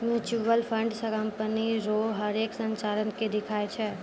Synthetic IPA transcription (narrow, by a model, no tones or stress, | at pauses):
muːt͡ʃuːʋəlpʰə̃ɳɖsəkə̃mpəniɾoɦəɾeːksə̃nt͡ʃaːɾənked̪ɪkʰaːet͡ʃʰɛː